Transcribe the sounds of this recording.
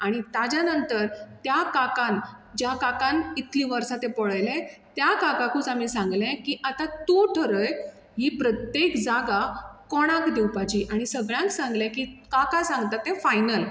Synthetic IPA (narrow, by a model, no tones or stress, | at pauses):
aɽ̃it̪ad͡ʑanənt̪əɾt̪jakakãnd͡ʑjakakãnit̪ʰliːʋəɾsat̪ẽpɔɭəjlɛ̃t̪jakakakũt͡samiːsãŋɡlɛ̃kiːʔat̪at̪uʈʰəɾəj | ɦiːpɾət̪jekd͡zaɡakɔɽ̃ãkd̪ewpat͡ɕiʔaɽ̃isəɡɭjãŋksãŋɡlɛ̃kikakasãŋɡt̪at̪ːẽfajnəl